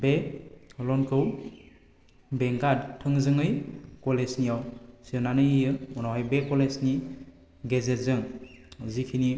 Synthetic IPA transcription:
belɔnkʰɯw | bɛŋɡadtʰɯŋzɯŋɯjkɔlesnijawsiɯnanɯjijɯunawɦajbekɔlesni | ɡezezɯŋzikʰini

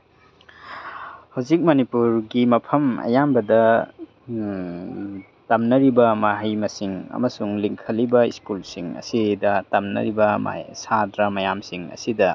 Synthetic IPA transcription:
hawzik̚mɐnipuɾɡimɐpʰɐmɐ̰jambɐdɐ | tɐmnɐɾibɐmaɦajmɐsiŋɐ̰mɐsuŋliŋkʰɐlibɐiskulsiŋɐ̰sidɐtɐmnɐ̰ɾibɐma̰sadɾɐmɐjamsiŋɐ̰sidɐ

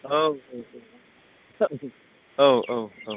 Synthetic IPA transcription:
oʊoʊo | o | oʊʔoʊoʊ

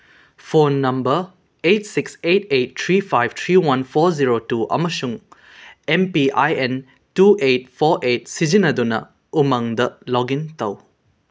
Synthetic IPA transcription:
pʰonːɐmbɐɾ | ejt̚siksetejt̚tʰɾipʰajb̚t̪ʰɾiwanpʰoɾziɾotuɐ̰mɐsuŋ | empiʔa̰jen | tuet̚pʰoɾʔet̚sid͡ʒinɐdunɐ̰ | umaŋdɐlɔɡintɐw

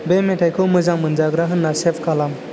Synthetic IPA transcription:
bemeʈʰajkʰɯwməzamɯnd͡ʒaɡɾaɦɯnːasepʰkalam

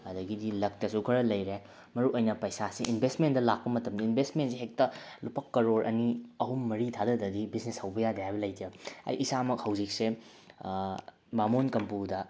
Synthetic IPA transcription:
ɐdɐɡidilɐk̚tɐsukʰɐɾɐlɐjɾe | mɐɾuʔojnɐpɐjsasiʔinbʱestmentdɐlak̚pɐmɐtɐmdiinbʱestmentseɦek̚tɐlupɐkːɐɾoɾʔɐ̰niɐɦumːɐɾitʰadɐdɐdibisneshɐwbɐjadɐjajbɐlɐjtɾɐɐ̰jʔisamɐk̚hɐwzik̚se | bamonkɐmpudɐ

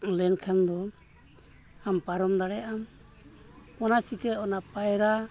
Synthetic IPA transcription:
lɛnkʰand̪ɔ | ampaɾɔmd̪aɽɛjaʔam | ɔnasikɛɔnapajɾa

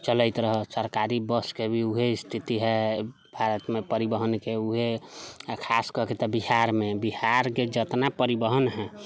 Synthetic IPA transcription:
t͡ʃələɪt̪ɾəɦəsəɾkaɾibəskebʱiuɦeist̪ʰit̪iɦɛ | bʱaɾət̪mepəɾibəɦənkeuɦe | kʰaskəɦket̪ɔbiɦaɾmebihaɾked͡ʒət̪napəɾibəɦənɦɛ

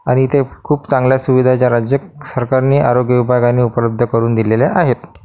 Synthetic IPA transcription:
aɽ̃it̪ekʰuːpt͡sãŋɡljasuʋid̪ʱat͡ɕjaɾad͡ʑjəksəɾkaɾniːʔaɾoɡjəʋibʱaɡanːiːupələb̚d̪ʱəkəɾuːnd̪ileleʔaɦet̪

